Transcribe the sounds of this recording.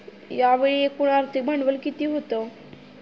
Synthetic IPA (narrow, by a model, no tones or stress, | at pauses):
jaʋeɭiekuɽ̃aɾt̪ʰimʱəɳʋəlkit̪iɦot̪o